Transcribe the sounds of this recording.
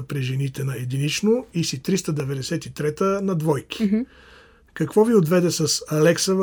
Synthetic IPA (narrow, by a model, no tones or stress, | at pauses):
ɐpɾɛʒɛnit̪ɛnɐɛd̪init͡ʃnoisit̪ɾist̪əd̪ɛvɛd̪ɛsɛt̪it̪ɾɛt̪ənɐd̪vɔjki̥ | kɐkvɔviod̪vɛd̪ɛsɐsɐlɛksəv